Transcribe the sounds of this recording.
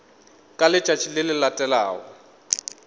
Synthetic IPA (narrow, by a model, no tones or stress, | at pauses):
kʼalɪt͡ʃʼat͡ʃʰilɪlɪlatʼɛla̰ːɔ